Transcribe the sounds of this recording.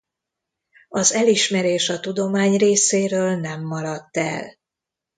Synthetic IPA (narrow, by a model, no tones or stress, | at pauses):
ɒzɛliʃmɛɾeːʃɒt̪ud̪o̞maːɲreːseːɾøːlnɛmːɒɾɒt̪ːɛ̰l